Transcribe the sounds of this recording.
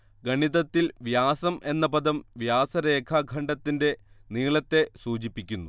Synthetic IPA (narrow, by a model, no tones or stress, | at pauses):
ɡɐɳiðɐt̪ːilʋjaːsɐmʔe̞nːɐpɐd̪ɐmʋjaːsɐɾe̞ːkʰaɡʱɐɳɖɐt̪ːinde̞niːɭɐt̪ːe̞suːt͡ɕipːikʲːunːu